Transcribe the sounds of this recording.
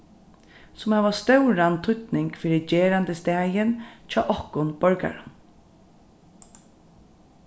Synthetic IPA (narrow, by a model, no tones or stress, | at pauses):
sʊmhɛʋast̪œwɾant̪ʰʊt̪nɪŋkfiːɾɪd͡ʒɛːɾant̪əst̪ɛːjɪnt͡ʃʰɑːʔɔhkʊnb̥œɹka̰ɹə